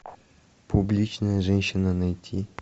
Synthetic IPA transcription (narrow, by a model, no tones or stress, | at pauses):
publʲit͡ɕnɐjɐʐɛnʲɕːɪnɐnɐjtʲʰi